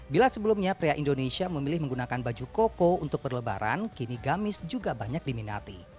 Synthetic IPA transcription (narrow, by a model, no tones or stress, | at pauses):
bilasəbəlumɲapɾeaʔindonesiaməmilɪhməŋɡunakanbad͡ʒukokount̪ʊk̚bərləba̰ɾa̰nkiniɡamɪsd͡ʒuɡabaɲak̚dimina̰t̪i